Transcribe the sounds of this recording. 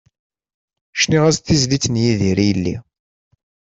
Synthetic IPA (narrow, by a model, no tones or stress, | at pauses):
ʃniʁæsθizlit͡sːnjiðiɾijlːḭ